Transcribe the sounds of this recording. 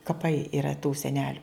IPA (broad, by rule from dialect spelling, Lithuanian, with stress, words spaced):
kɐˈpɐɪ ɪˈrɐ tuː sʲɛˈnʲæːlʲʊ